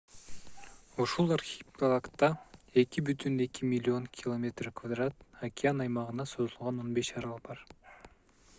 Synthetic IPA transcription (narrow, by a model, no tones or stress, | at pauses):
uʃulˠaɾxʲipkolˠakt̪ːɑe̞kʲibyt̪yne̞kʲimʲilʲːio̞ŋkʲʰɪlˠomʲe̞t̪rkvad̪rat̪akʲɪanɑjmɑʁɯnɑsozulˠʁɑno̞nbe̞ʃɑɾɑlˠbɑɾ